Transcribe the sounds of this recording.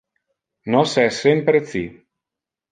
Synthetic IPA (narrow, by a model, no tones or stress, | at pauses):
nɔsɛsempɾet̪si